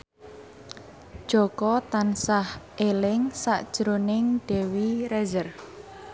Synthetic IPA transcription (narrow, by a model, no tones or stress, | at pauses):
d̥ʒ̥ɔkɔt̪ansahʔelɪŋsaʔd̥ʒ̥ɾonɪŋɖ̥ɛwiɾɛzər